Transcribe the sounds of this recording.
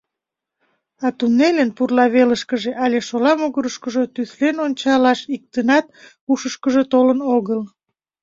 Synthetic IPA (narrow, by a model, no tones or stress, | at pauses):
ɑt̪unelenpurlɑβeləʃkəʒeʔɑleʃolɑmoɣəɾəʃkəʒot̪yθlenonʲt͡ɕɑlɑʃik̚t̪ənɑt̪̚puʃəʃkəʒot̪olənoɣəl